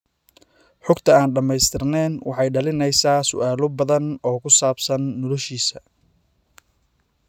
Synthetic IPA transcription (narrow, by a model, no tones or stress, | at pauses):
ħʊɡt̪ʰɐaːnɖɐmɛjst̪ʰɪrnɛːnwɑ̰ħɑjɖɐlɪnɛjsaːsʊ̰ʔaːlɔbɐðɐnɔːkʰʊsaːbsɐnːɔlɔʃiːsɐ